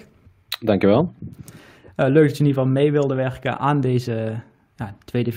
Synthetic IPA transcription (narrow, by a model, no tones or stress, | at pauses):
dɑŋkjəʋɛlˠ | əløːk̚dɑtsənivɑlˠmejʋɪlˠdəʋɛrkə̰nʔaːndejzə | jatʋejdəv